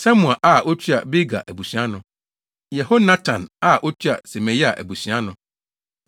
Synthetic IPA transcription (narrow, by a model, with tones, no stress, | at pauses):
sa˦mũ˨a˨ʔa˦˨ʔo˦t͡ɕʰi˦a̰˨bi˦ɡa̰˨ʔæ˨bu˨sɥ̃a˦nʊ̃˦ | jɛ˨ho˦nã˦tʰã˨na˦˨ʔɔ˦t͡ɕʰi˦a̰˨se˨mẽ˨ja˨ʔæ̰˨bu˨sɥa˦nʊ̃˨